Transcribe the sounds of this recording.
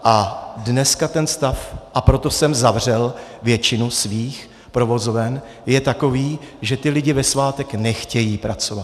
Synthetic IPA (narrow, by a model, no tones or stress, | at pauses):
ʔadnɛskat̪ɛnst̪afʔapɾo̞t̪o̞sɛmzavr̝ɛlvjɛt͡ʃɪnusviːx | pɾo̞vo̞zovɛn | jɛt̪ako̞viːʒɛt̪ɪlɪɟɪvɛsvaːt̪ɛknɛxcɛjiːpɾat͡so̞vat̪